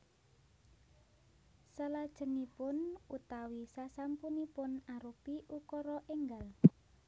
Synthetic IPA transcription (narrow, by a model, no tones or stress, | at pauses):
səlad̥ʒ̥ə̤nipʊnut̪awisasampunipʊnaɾupiʔukɔɾɔʔeŋɡal